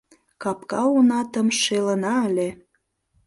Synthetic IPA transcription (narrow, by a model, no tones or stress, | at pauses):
kɑpkɑonɑt̪ə̆mʃelənɑəlʲe